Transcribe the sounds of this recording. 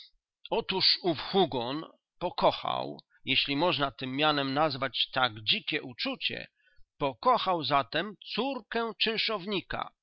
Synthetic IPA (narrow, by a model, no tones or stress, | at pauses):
ɔt̪uʂufxuɡɔn | pɔkɔxa̰w | jeɕlʲimɔʐnat̪ɘmːjanɛmnazvat͡ɕt̪aɡd͡ʑikʲɛʔut͡ʂut͡ɕɛ̰ | pɔkɔxawzat̪ɛmt̪suɾkɛt͡ʂɘwʂɔvɲika̰